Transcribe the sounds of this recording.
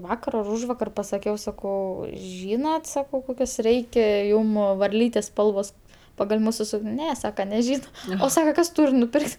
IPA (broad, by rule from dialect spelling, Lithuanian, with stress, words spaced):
ˈʋɑːkɐr ɐr ˈuːʒʋɐkɐr pɐsɐˈkʲɛʊ sɐˈkɐʊ ˈʒʲiːnɐt ˈsɑːkɐʊ ˈkoːkʲɛs ˈrʲɛɪkʲɛ ˈjuːm ʋɐrʲˈlʲiːtʲɛs ˈspɐlˠʋoːs pɐɡɐlʲ ˈmuːsʊ ˈsuːkʲnʲ ˈnʲɛ ˈsɑːkɐ nʲɛˈʒʲiːnɐ oː ˈsɑːkɐ ˈkɐs ˈtuːrʲ nʊˈpʲɪrʲkʲtʲ